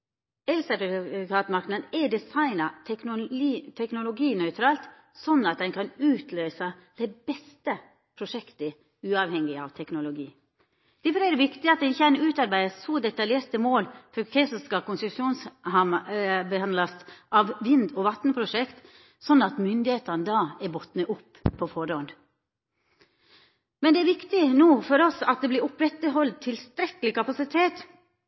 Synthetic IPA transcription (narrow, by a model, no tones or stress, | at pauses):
ɛlsəpɾɪkʰɑːt̪mɑɾknənɛɖɛsɑɪnɑ | t̪ʰɛknʊlʊɡiːnœʏt̪ʰɾɑːlt̪ | sɔnːɑt̪̚d̪ɛnkʰɑnʉːt̪ʰløːsɑ | d̪̥ɛɪbɛst̪ə | pʰɾʊʂɛkt̪ə | ʉːɑʋhɛŋːɪɑ̰ʋt̪ʰɛknʊlʊɡiː | d̪̥ɛfɔɾæɾʋɪkt̪ɪɑt̪d̪ɛnɪçːəænʉːt̪ɑɾbæɪəsɔd̪ɛt̪ɑljeːɾt̪əmoːlfɔɾkʰɾɛsɔskɑkʊnsʉʂuːnshɑmbəhɑnlɑsʔɑʋʋɪnd̪ɔʋɑt̪nəpʰɾʊʂɛkt̪ | sɔnːɑt̪mʏnd̪ɪheːt̪ɑnəd̪ɑːɛɾbɔt̪nəʔʊpʰːɔfɔɾɔn | mɛnd̪ɛæɾʋɪkt̪ɪnoːfɔɾɔsɑt̪̚d̪ɛblɪɾʊpɾɛt̪ːəɦɔld̪̚t̪ʰɪlst̪ɾɛkəlɪkɑpɑsɪt̪ʰeːt̪